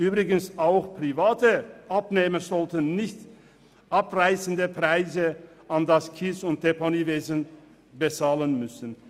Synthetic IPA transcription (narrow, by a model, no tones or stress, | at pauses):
ʔyːbʁɪɡənsʔaʊxpʁ̥ivaːtəʔapneːməzɔltənnɪçt | ʔapʁaɪsən̩dəpʁ̥aɪzə | ʔandaskʰisʊnt̚eponiːveːzən | bət͡saːlənmʏsn̩